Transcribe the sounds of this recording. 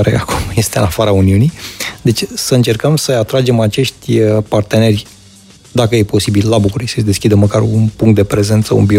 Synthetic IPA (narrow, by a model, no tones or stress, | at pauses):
aɾḛakumje̞st̪eɨnafaɾauniunijd̪e̞t͡ʃʲsəɨnt͡ʃe̞rkəmsəat̪ɾad͡ʒe̞mat͡ʃe̞ʃt̪ʲpart̪e̞ne̞rʲ | d̪akəje̞po̞sibilːabukuɾisəsd̪e̞skʲid̪əməkarunpuŋkt̪̚d̪e̞pɾe̞ze̞nt̪səṵnbi